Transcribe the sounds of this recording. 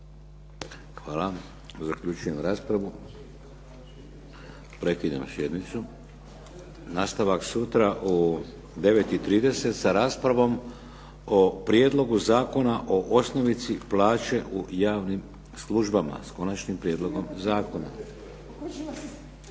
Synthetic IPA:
xʋaːla | zakʎut͡ʃuje̞mɾaːspɾaʋu | pɾe̞kid̪a̰msje̞d̪nit̪su | naːst̪aʋaksut̪ɾaʔu | d̪e̞ʋe̞t̪it̪ɾiːd̪e̞se̞t̪saɾaːspɾaʋo̞m | opɾjed̪lo̞ɡuzaːko̞naʔo̞ʔosno̞ʋit̪siplaːt͡ʃe̞ʔujaːʋnim | slˠuʒbama̰sko̞nat͡ʃnimpɾjed̪lˠo̞ɡo̞mzaːko̞na̰

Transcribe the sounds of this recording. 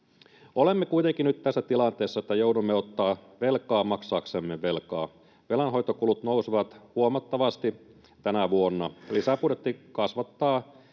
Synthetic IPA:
olemːekuit̪eŋkinyt̪t̪æsːæt̪ilɑnt̪ˑeːsːɑet̪ːæjoudumːeot̪ːɑːʋelkɑːmɑksɑːksemːeʋelkɑː | ʋelɑnɦo̞jt̪ːokulut̪nousiʋɑt̪huomɑt̪ːɑʋɑst̪i | t̪ænæʋuonːɑlisæpudet̪ːikɑsʋɑt̪ːɑː

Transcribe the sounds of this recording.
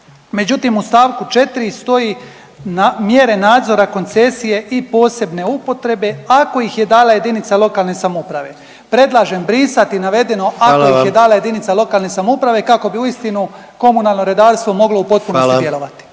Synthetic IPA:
me̞d͡ʑut̪imust̪aːʋkut͡ʃe̞t̪iɾist̪o̞ji | namje̞ɾe̞naːd̪zo̞ɾako̞nt̪se̞sije̞ʔipo̞ːse̞bne̞upo̞t̪ɾe̞be̞ako̞ixje̞d̪aːlaje̞d̪init̪salo̞kalˠne̞samupɾaʋe̞ | pɾe̞d̪lˠaʒe̞mbɾiːsat̪inaʋe̞d̪e̞no̞ʔakojixjed̪aːlajed̪init̪salˠo̞kaːlne̞samoupɾaʋe̞kako̞biuist̪inu | ko̞munalˠno̞ɾe̞d̪aːɾst̪ʋo̞mo̞ɡlo̞upo̞t̪̚punosd̪jelo̞ʋat̪i̥

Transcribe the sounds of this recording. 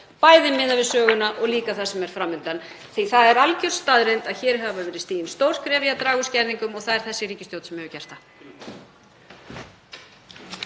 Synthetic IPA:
paːjðɪmːɪðavɪðsœːɣʏnaʔɔɣliːkaθasɛmɛɾ̥fɾamːɪnt̪an | θiθaðɛɾalcʏr̥st̪aðɾejnt̪aðçɛːɾɦavavɛːɾɪst̪iːjɪnst̪owɾ̥kʰɾɛːvjat̪ɾaːɣʏscɛɾðiŋkʏmɔɣθaðɛɾ̥θɛsːɪɾiːcɪst̪jowt̪sɛmhœvʏcɛr̥t̪a

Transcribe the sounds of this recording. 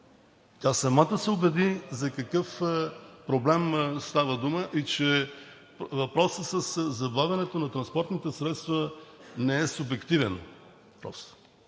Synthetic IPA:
t̪ʲasɐmat̪əsɛʊbɛd̪izɐkɐkɤf | pɾoblɛmst̪avəd̪uməʔit͡ʃɛ | vɐpɾɔsəsəszɐbavʲɐnɛt̪onɐt̪ɾɐnspɔɾt̪nit̪ɛsɾɛt̪st̪vənɛɛsʊbɛkt̪ivɛn | pɾɔ̰s

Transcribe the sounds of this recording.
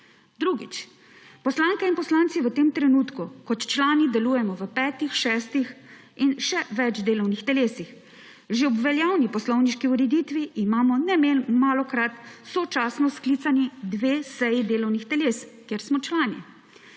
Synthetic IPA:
d̪ɾuɡḭt͡ʃ | pɔslaːŋkɛinpɔslaːnt̪siʋət̪eːmt̪ɾɛnuːt̪kukɔt̪t͡ʃlaːnid̪ɛluːjɛmɔʋəpɛːt̪ixʃɛːst̪ix | inʃɛʋɛd͡ʒd̪eːlɔwnixt̪ɛleːsix | ʒeɔbʋɛljaːwnipɔslɔwniʃkiuɾɛd̪iːt̪ʋiːmaːmɔnɛmemaːlɔkɾat̪sɔt͡ʃaːsnɔskliːt̪sanid̪ʋeːsɛjid̪eːlɔwnixt̪ɛleːskjeɾsmɔt͡ʃlaːnḭ

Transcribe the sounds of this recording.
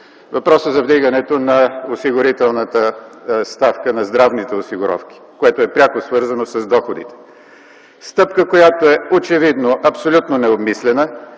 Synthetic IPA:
vɐpɾɔsəzɐvd̪iɡənɛt̪onɐosiɡʊɾit̪ɛlˠnət̪əst̪afkənɐzd̪ɾavnit̪ɛosiɡʊɾɔ̰fk̟ʲi̥koɛt̪oɛpɾʲakosvɤɾzɐnosɐzd̪ɔxod̪ḭt̪ɛ̥ | st̪ɤp̚kəkojat̪oɛot͡ʃɛvid̪noʔɐpsolʲut̪nonɛobmislɛnə

